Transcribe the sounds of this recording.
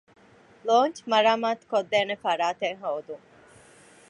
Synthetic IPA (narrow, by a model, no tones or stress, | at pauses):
loːnt͡ʃmɐɾaːmaːt̪kod̪ːæːnefɐɾaːt̪eŋɦoːd̪uŋ